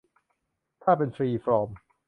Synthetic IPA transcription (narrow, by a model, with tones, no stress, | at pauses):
t̪ʰaː˥˩p̬e˧nfɾiː˧fɾɔː˧m